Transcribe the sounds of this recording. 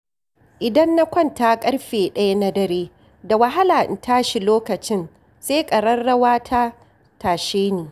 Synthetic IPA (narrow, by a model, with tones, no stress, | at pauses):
ʔɪ˨dɐ˦nːa˦kʷɔ˦˨ntaː˦kʼɐ˦rɸeː˨ɗɐ˦ja˦na˦dɐ˦ɾeː˦ | da˨wɐ˦ɦa˦laː˨ʔɪ̰˨taː˦ʃi˨loː˦kɐ˨t͡ʃɪ˦n | seː˦kʼɐ˨ɽɐ˦nɽɐ˦waː˦tʰa˦ | taː˨ʃeː˦neː˨